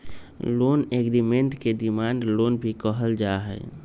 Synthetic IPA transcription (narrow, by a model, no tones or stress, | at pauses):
loneɡɾimeɳʈkeɖimaɳɖlonbʱikəɦəld͡ʒaɦɛ̰